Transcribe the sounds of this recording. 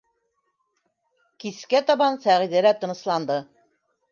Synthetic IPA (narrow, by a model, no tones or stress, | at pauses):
kiskæt̪ɑβɑnsæʁiðælæt̪ɤ̆nɤ̆slˠɑnd̪ɤ